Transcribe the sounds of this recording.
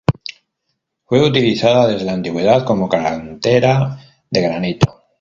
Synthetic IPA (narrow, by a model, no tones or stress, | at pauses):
fwe̞ut̪iliθaðaðe̞zðe̞lant̪iɣwe̞ð̞at̪ko̞mo̞kaɾant̪e̞ɾa | ðe̞ɣɾanit̪o